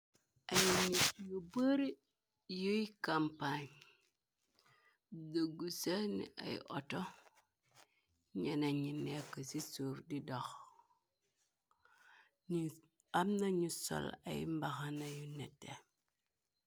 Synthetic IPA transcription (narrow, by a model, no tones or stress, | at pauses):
ajiɲijubəɾi | joikampaɲ | doɡusanḭʔa̰jḭʔo̰to | ɲenaɲinːekəsisuɾdidox | ni | amnaɲuso̰la̰jḭmbaxanajunete